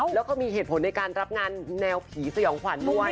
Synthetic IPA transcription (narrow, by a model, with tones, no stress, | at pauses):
lɛː˦˥wkʰaː˥˩miː˧ɦeː˨˩t̪̚pʰo˩˦nːa˧jkaː˧nɾa˦˥p̚ŋaː˧nːɛː˧wpʰiː˩˦sa˧jɔː˩˦ŋkʰa˩˦nmʰɔː˥˩wa˦˥